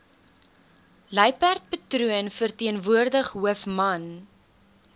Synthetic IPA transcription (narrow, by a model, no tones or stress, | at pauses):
ləjpært̚pətruənfərtiənvuərdəχɦuəfmɐn